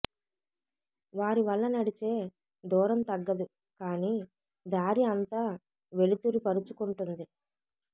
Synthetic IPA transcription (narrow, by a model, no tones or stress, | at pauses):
ʋaːɾiʋɐɭːɐnɐɽit͡ʃe̞ː | d̪ɔːɾɐmt̪ɐɡːɐd̪u | kaːni | d̪aːɾiɐnt̪aː | ʋe̞lit̪uɾipɐɾut͡ʃukuɳʈund̪i